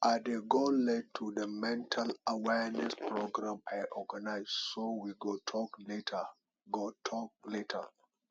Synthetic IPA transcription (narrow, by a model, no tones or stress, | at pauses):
ʔadeɡolɛd̚tʰudəmɛ̃ntʰalawɛnɛspɹoɡɹãmajʔɔɡanaɪssowiɡotʰɔkletʰə | ɡotʰɔk̚letʰə̰